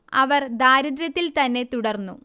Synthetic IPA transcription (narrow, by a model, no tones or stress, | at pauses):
ɐʋɐrd̪aːɾɐd̪ɾɐt̪ːilt̪ɐnːe̞t̪uɽɐrnːu